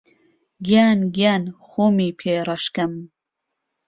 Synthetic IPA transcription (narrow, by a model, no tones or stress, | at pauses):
ɡjaːnɡjaːnxoːmiːpʰeːɾɐʃkɐm